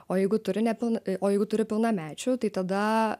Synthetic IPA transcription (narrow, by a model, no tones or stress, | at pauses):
oːjɛɪɡʊt̪ʊɾʲɪnʲɛpʲɪlˠnoːjɛɪɡʊt̪ʊɾʲɪpʲɪlˠnɑmʲæːt͡ʃʲuːt̪ɐɪt̪ɐd̪ɐ